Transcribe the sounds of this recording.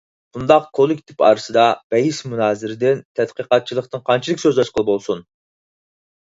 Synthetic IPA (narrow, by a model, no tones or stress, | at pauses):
und̪ɑqkʰolˠkʲʰi̥t̪ʰɪpʰɑ̰ːɾɨsɨd̪ɑb̥ɛjismunɑːzɪɾɪd̪ɪnt̪ʰɛt̪qəqɑt̪̚t͡ʃʰilˠəχt̪ɨnqʰɑnt͡ʃʰilˠɪkʲsøzlˠɛʃqʰəlˠbolˠsun